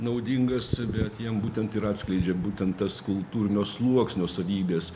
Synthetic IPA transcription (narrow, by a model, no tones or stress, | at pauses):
nɐʊd̪ʲɪŋɡɐsbʲɛt̪jɛmbuːt̪ʲɛnt̪ɪɾɑːt̪sklʲɛɪd͡ʒʲɛbuːt̪ʲɛnt̪t̪ɐskʊlˠt̪uːɾʲɪnʲoːslˠuɔksʲnʲoːsɐʋʲiːbʲeːs